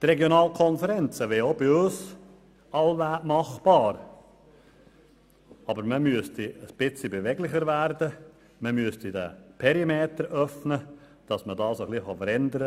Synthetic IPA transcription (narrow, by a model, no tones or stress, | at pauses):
trɛɡjonɑːlkʰɔnfəɾɛnt͡səʋɛobiʊːs | ɑlʋæːmɑχb̥ɑːɾ | ɑbəɾməmyəstiəsb̥ɪt͡sibevɛɡlɪχəɾvæɾd̥ə | məmyəstidɛ̰pʰɛɾimeːtəɾʔœfnə | d̥ɑsmədɑːsoχliχɑfəɾɛnd̪əɾə